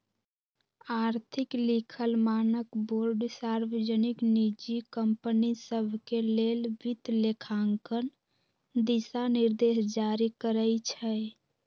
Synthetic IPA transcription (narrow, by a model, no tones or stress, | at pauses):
aɾt̪ʰiklikʰəlmanəkboɾɖsaɾwəd͡ʒəniknid͡ʒikəmpənisəbʱkelelbit̪lekʰaŋkən | d̪isaniɾd̪esd͡ʒaɾikəɾəjt͡ʃʰɛ